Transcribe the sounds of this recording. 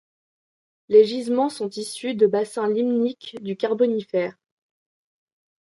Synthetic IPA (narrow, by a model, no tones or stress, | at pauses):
leʒizmɑ̃sɔ̃t̪isyd̪əbasɛ̃limnikd̪ykaʁbɔnifɛːʁ